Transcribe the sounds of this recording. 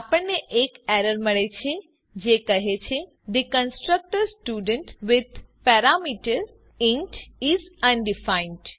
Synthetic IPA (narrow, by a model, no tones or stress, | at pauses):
apəɳneʔekɛɾəɾməɭet͡ʃʰe | d͡ʒekəɦet͡ʃʰe | d̪əkə̃nsʈɾək̚ʈəɾsʈjuːɖə̃ɳʈʋɪd̪pɛɾamiʈəɾ | ɪ̃nʈizə̃nɖɪfaɪ̃nɖ